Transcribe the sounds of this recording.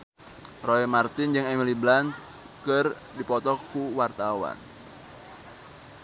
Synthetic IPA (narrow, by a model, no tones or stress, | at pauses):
roɛmart̪ɪnd͡ʒɨŋɛmiliblans | kər | dipɔt̪ɔkuwart̪awa̰n